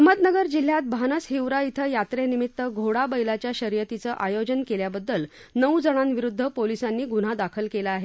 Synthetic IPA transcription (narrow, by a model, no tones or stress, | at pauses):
əməd̪nəɡəɾd͡ʑil̤jat̪̚bʱanəsɦewɾait̪ʰəjat̪ɾenimit̪ːəɡʱoɽabəjlat͡ɕjaɕəɾjət̪it͡səʔajod͡ʑənkeljabəd̪ːəl | nəwd͡zəɽ̃anʋiɾud̪ʱːəpolisanːiːɡuɽ̤ad̪akʰəlkelaaɦe